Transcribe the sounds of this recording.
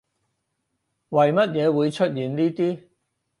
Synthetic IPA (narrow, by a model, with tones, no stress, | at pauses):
wɐ˨jmɐ˥t̚jɛː˨˧wuː˨˧jt͡ʃʰɵ˥t̚jiː˨nliː˥t̪iː˥